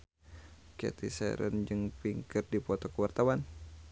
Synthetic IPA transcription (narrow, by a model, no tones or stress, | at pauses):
kɛ̰t̪isɛ̰ɾə̰nd͡ʒɨŋpiŋkərdipɔt̪ɔkəwart̪awan